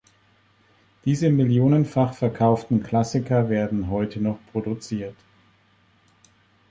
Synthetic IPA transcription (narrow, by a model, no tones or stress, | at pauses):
d̥iːzəmɪljoːnənfaχfɛɐkʰaʊftn̩kl̥asɪkɐveːɐdn̩ɦɔʏtʰənɔχpʁ̥odut͡siːɐt